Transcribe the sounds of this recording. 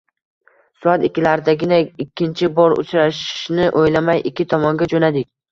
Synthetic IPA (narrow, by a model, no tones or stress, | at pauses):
sʊat̪ɪkʲʰːɪlaɾɪd̪aɡʲɪnaɪkʲːɪnt͡ʃʰɪbɒɾʊ̰t͡ʃɾaʃɪ̥ʃnɪʔojlamajʔɪkʲʰːɪt̪ʰɒmɒŋɡʲad͡ʒonad̪ɪk̚ʲ